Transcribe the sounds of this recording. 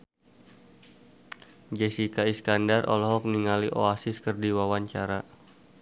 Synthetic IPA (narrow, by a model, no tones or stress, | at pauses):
d͡ʒɛsikaiskandarʔɔ̰lɔɦɔk̚niŋaliʔoasɪskərdiwawaɲt͡ʃaɾa